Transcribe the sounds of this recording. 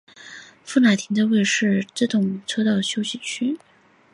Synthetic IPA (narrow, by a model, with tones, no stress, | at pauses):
fu˥˩na˨˩ɪt̪ʰi˧˥ŋd̪ə˥˧we˥˧ɪʂɻ̩˥˧ʈ͡ʂ̩˥˩t̪ʊ˥˩ŋʈ͡ʂʰɤ˥t̪ɑ˥˩ʊ˩ɕjo˥ʊɕi˨˩t͡ɕʰy˥